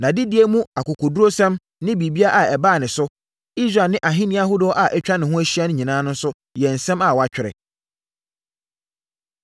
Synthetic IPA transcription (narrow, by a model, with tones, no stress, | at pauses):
nã˨dɪ˦dɪ˨˦e˦mũ˦a˨kʊ˨kʰʊ˨du˦ɾo˦sɛ̃˦m | nɪ̃˦bi˨bi˦a˦ʔa˨ɛ˨baː˦˨nɪ̃˨sʊ˦ | i˦sɾa˨nɪ̃˦ʔa˨ɦɪ̃˦nɪ̃˦a˦ɦʊ˦dʊ˨˦ɔ˦ʔa˨ʔɛ˦t͡ɕᶣa˦nɪ̃˨hʊ̃˦æ˦ɕi˦a˦nʊ̃˦ɲĩ˨nã˦nʊ̃˦n˦sʊ˦ | jɛ˨n̩˨sɛ̃˦ma˨wɔ˨a˦t͡ɕᶣɪ˨ɾɪ̰˨